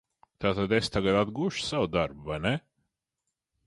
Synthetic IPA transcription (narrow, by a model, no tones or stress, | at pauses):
t̪aːt̪ad̪est̪aɡat̪ad̪ɡuɔʃsawd̪aɾbvajnɛ